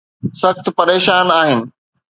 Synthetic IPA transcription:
sɐxt̪pɐɾeːʃaːnaːɦɪnɪ̆

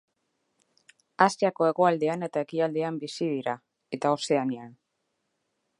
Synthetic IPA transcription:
asiako̞e̞ɣo̞ald̪e̞ane̞t̪ae̞kiald̪e̞ambisiðiɾa | e̞t̪ao̞se̞anian

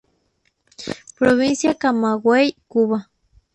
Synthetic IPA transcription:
pɾoβinsjakamaɡwejkuβa

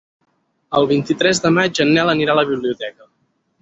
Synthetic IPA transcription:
əlˠβint̪it̪ɾɛzd̪əmad͡ʒənːɛləniɾaləβ̞iβliut̪ɛkə

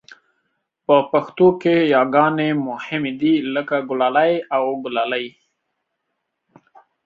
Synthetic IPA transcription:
pəpaxt̪okejɑɡɑnemʊhɪmed̪iləkaɡʊlɑlajawɡʊlɑlaj

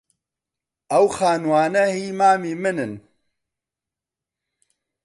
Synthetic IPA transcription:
ɐwxaːnwaːnɐhiːmaːmiːmɨnɨn

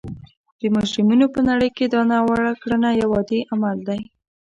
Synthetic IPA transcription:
d̪̥əmɑʃɾimunopənaɽəjked̪ɑnɑwaɽakɽənajawɑd̪eʔamald̪aj

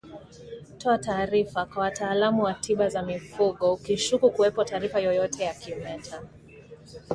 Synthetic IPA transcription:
tɔataːɾifakwawataːlamuwatʰiɓazamifuɠɔukiʃukukuwɛpɔtaːɾifajɔjɔtʰɛjakiɔmɛtʰa

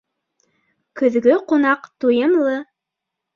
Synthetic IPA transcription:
kɵ̆ðɡɵqunɑqt̪ujɤ̆mlˠɤ

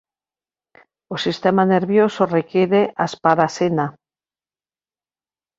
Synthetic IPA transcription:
osist̪emaneɾβjosorekeɾeʔaspaɾasena

